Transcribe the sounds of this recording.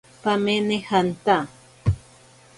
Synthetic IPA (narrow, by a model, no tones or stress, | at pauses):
pamenehant̪a